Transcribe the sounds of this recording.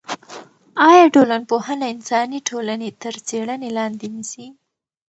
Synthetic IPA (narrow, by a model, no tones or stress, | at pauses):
ɑjɑɖolanpohənaɪnsɑniʈʰolanet̪əɾt͡seɽənelɑnd̪enisi